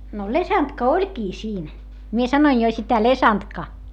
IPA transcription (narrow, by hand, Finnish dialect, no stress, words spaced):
no lesɑntkɑ olʲkiː siːn mie sɑnoin jo sitæ lesɑntkɑ